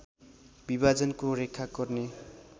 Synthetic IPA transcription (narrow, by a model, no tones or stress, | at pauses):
bibad͡zʌnkorekʰːaɡʌrne